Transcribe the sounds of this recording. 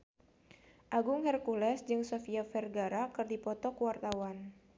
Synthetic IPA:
ʔaɡʊŋhɛrkulɛsd͡ʒɨŋsɔfiafɛrɡaɾakɨrdipɔt̪ɔkuwart̪awan

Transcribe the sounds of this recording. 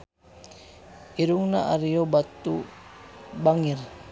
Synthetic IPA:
iɾuŋnaʔaɾiobat̪ːu | baŋir

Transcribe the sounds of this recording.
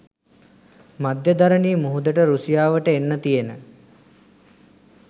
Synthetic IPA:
mad̪jəd̪aɾəniːmuɦud̪əʈəɾusijaːʋəʈəenːət̪ijenə

